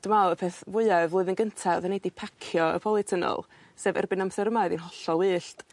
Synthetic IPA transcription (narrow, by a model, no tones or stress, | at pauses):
d̥əmaəpʰeːθvʊɨɛvʊːɨðənɡəntʰaðanedipʰakʰjɔə̰pʰɔlˠɪtʰənɔ̰lˠ | seːvɛ̰rbɨnamθɛɾəmaɨðinɦɔɬɔlˠwɨːɬt